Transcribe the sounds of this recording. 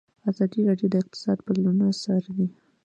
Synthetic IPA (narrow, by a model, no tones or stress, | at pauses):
azɑd̪iɾɑɖjod̪əɪq̚t̪ɪ̥sɑd̪pəlanasɑɾd̪i